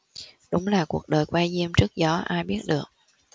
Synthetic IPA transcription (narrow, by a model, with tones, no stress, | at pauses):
ɗʊ˨˦ŋ͡mlaː˨˩ku˨˩ək̚ɗəː˨˩jkwaː˧jzi˧əmt͡ɕɨ˦˥ək̚zɔ˨˦ʔaː˧jɓi˦˥ət̚ɗɨ˨˩ək̚